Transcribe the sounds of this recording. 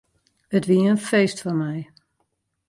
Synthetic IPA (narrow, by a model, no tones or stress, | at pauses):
ətʋiəənfejstfɔnmɛj